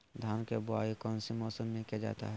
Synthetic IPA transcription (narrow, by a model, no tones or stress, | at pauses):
d̪ʱaːnkebʊaːikɔːnsimɔːsəmːẽkad͡ʒa̰ːt̪a̰ɦɛ